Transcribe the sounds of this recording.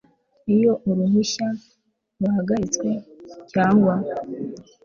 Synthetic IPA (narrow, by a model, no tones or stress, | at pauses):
ijo̞uɾuɦuʃa | ɾuhaɡaɾit͡skwe̞caːŋɡwa